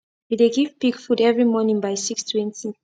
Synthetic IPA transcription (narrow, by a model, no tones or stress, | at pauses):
ideɡivbiɡfudɛvɹimɔnĩŋbajsikstʰwĩntĩ